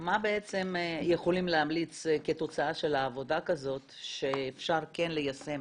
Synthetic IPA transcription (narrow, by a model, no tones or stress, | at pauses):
mabe̞et͡se̞mje̞χo̞limleɦamlit͡ske̞t̪o̞t͡saaʃe̞laːvo̞dakazo̞t̪ | ʃeːfʃaʁke̞nle̞jase̞m